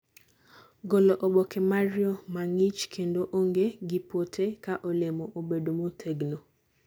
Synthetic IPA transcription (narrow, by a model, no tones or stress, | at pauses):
ɡɔlɔʔoɓɔkʰɛmarjɔmaŋit͡ʃkʰendoʔoŋɡeɡɪpotʰekaʔolemɔʔobedomotʰeɡno